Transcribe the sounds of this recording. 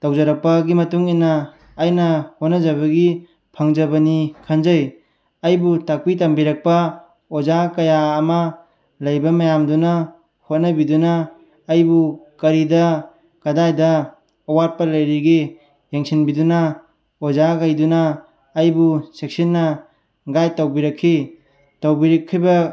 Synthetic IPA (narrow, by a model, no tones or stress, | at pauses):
tawzaɾɐk̚pɐɡimɐtuŋinːaː | jnɐhot̚nɐzaβɐɡi | pʰaŋd͡ʒɐbɐnikʰanzaj | ɐjbutak̚pitambiɾak̚pɐ | ozakɐjaːmɐ | lɐjbɐmɐjamduna | hot̚nɐbidunaː | jbukɐɾidɐ | kɐdajdɐː | wat̚pɐlɐjɾiɡi | jeŋsinbiduna | ozaɡajdunaː | jbusek̚sinːɐ | ɡajtawbiɾɐkʰːi | tawbiɾɐkʰːijbɐ